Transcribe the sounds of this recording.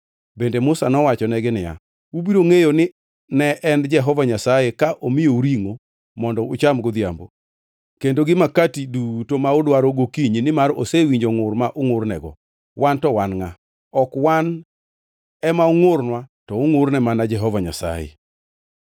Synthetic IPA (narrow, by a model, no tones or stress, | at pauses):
bendemʊsanɔwat͡ʃɔnɛɡɪnɪja̰ | wubiɾoŋejonɪ | nɛʔɛnd͡ʒɛɦɔvaɲasajekaʔomɪjouɾiŋo | mɔndɔʊt͡ʃamɡod̪ja̰mbo | kendoɡɪmakatidutomaʊdwaɾoɡokiɲinɪmaɾosewiɲd͡ʒoŋʊrmaʔʊŋʊrnɛɡɔ̰ | wantɔwanŋa | ɔkwan | ɛmaʊŋʊrnwatɔʊŋʊrnɛmanad͡ʒɛɦɔvaɲa̰sa̰jḛ